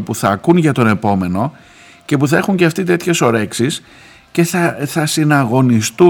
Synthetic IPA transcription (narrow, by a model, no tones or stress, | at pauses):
puθɐkunʝɐt̪o̞ne̞po̞me̞no̞ | ce̞puθɐe̞xuɲceɐft̪it̪e̞t̪çe̞so̞ɾe̞ksis | ce̞θɐθɐsinɐɣo̞nist̪u